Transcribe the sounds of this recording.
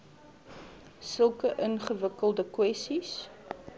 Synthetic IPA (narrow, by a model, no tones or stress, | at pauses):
səlˠkəʔənχəvəkəlˠdəkwɛsis